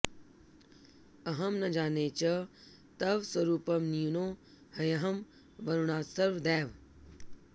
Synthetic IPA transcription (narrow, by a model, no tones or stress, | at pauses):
ɐɦɐmnɐd͡ʒaːneːt͡ʃɐ | t̪ɐʋswɐɾuːpɐmniunoː | hɐjɐɦɐm | ʋɐɾuɳaːsɐɾʋd̪ɛːʋ